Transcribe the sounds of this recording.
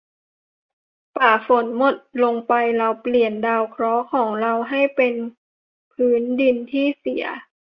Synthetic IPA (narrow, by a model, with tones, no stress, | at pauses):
paː˨˩fo˩˦nmo˨˩t̪̚lo˧ŋpa˧jɾa˧wpli˨˩əndaː˧wkʰɾɔː˦˥kʰɔː˩˦ŋɾa˧wɦa˥˩jpe˧n | pʰɯː˦˥ndi˧nt̪ʰiː˥˩si˩˦ɐ